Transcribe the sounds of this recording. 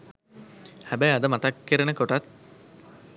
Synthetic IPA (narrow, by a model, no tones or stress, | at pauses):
hæbæjad̪əmat̪akːəɾənəkoʈat̪̚